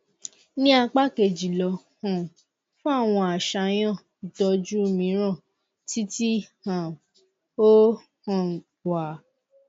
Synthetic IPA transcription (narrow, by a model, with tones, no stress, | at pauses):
nĩ˦a˧k͡pa˦ke˨d͡ʒi˨lɔ˧ | hɔ̃˨ | fũ˦a˦˨w̃ɔ̃˧a˨ʃa˧j̃ã˦˨dɔ˨˧d͡ʒu˦o˦˨mĩ˨˦ɾ̃ɔ̃˦˨ | ti˦ti˦hã˨ | o˦ | hɔ̃˨ | wa˨